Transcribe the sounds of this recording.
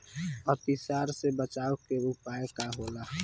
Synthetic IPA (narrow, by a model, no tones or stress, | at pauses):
ɔt̪ɪsaːɾsebət͡ʃaːokeɾupaːekaɦoːlaː